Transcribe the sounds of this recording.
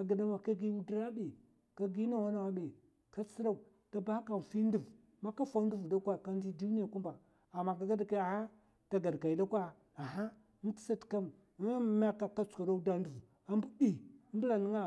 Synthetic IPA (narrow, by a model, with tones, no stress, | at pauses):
a˨ɡa˨da˦ma˨ka˦ɡi˦n˦di˦ɾa˦bi˨ | ka˦ɡi˦na˦˨wa˦na˨wa˦be˨ | ka˦t͡si˦ɾa˦˨u˨ | ta˨ba˦ka˨n˨fi˦ndu˨v | ma˦ka˦fa˦n˦du˦vu˨da˦kʷa˦ka˦nd͡ʒi˦du˦ni˦a˨ku˦m˦ba˨ | a˨mːa˨ka˨ɡa˦da˨ke˦a˨ha˦ | ta˨ɡa˨dka˨i˨da˦kʷa˦ | a˨ɦa˦ | n̩˦ti̥˦sa˦tka˦m˦ | m˦a˦ka˨ka˦t͡su̥˨ka˨ɾa˦da˦n˦du˨v | a˦mbu˦di˦bu˦la˨ni˦ŋa˨